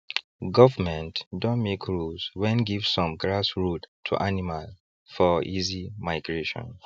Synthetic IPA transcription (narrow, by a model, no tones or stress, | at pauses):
ɡɔvəmɛ̃ntdɔ̃nmekʰɹuzwɛ̃nɡivsːɔ̃mɡɹasɹuttʰṵʔanimal | fɔʔizimaɪɡɹeʃɔ̰̃n